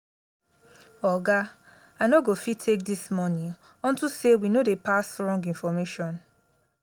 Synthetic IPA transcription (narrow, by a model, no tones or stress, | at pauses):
ɔɡa | aɪnoɡofitʰːek̚dismɔnĩ | ɔ̃ntusewinodepasɹɔ̃ŋɡĩnfɔmeʃɔ̃n